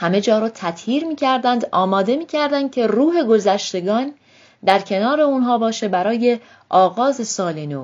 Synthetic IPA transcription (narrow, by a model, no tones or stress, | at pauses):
hæme̞d͡ʒɒːɾɒːt̪ʰæt̪ʰjiːɾmiːcʰæɾd̪ænd̪ɒːmɒːd̪e̞miːcʰæɾd̪ænd̪̚cʲʰe̞ruːɦe̞ɡo̞zæʃt̪e̞ɡɒːn | d̪æɾcʰe̞nɒːɾe̞unɦɒːbɒːʃe̞bæɾɒːje̞ | ʔɒːɣɒːze̞sɒːlenoː